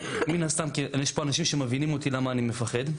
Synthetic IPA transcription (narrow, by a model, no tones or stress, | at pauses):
minast̪amkijeʃpo̞anaʃimʃe̞mevinimo̞t̪ilamaːnime̞faχe̞d̪